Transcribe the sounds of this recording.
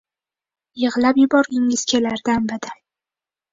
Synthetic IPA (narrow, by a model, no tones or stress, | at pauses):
jɨʁlˠapjɪbɒɾɡʲɪŋɪz̥kʲʰe̞laɾd̪anbɪd̪ɪ